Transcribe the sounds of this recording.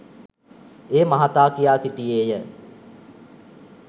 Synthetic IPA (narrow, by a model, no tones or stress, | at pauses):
eːmaɦat̪aːkijaːsiʈieːjə